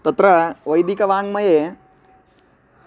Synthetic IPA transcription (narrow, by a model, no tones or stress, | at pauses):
t̪ɐt̪ɾɐʋɐjd̪ikɐʋaːŋɡmɐje